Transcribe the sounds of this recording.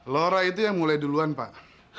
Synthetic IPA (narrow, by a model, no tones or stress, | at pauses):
loɾait̪̬ujaŋmulajduluanpa̰ʔ